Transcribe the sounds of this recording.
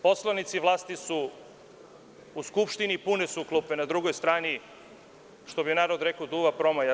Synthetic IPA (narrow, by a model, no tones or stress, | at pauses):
po̞slˠoʋnit̪siʋlˠaːst̪isu | skupʃt̪inipunesuklˠupenad̪ɾuɡo̞jst̪ɾaːni | ʃt̪o̞bijenaːɾo̞d̪ɾekod̪uʋapɾo̞maja